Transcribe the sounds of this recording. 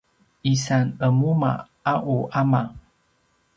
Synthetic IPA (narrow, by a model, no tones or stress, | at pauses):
isanəmuma̰ | aʔuʔama